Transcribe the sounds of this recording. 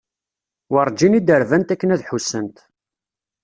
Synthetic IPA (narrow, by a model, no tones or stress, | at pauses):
wɑrˤd͡ʒinid̪əɾvænt̪ækːənæðħusːənt̪